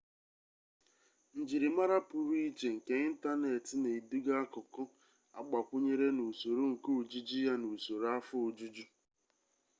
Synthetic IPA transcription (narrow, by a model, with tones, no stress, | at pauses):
n̩˨d͡ʒi˨ɾi˨ma˦ɾa˦pʊ˨ɾu˦i˦t͡ʃe˨ŋ̩˨ke˨ɲɪ˦n̩˦ta˦ne˨tɪ˨ne˨du˦ɡa˦kʊ˨kʊ˦ | a̰˦ɡ͡ba˨kʷʊ˦ɲe˦ɾe˦nu˨so˨ɾu˦ŋ̩˨ku˦u˨d͡ʒi˦d͡ʒi˦ja˦nu˨so˨ɾa˦fʊ˦o˨d͡ʒu˦d͡ʒu˦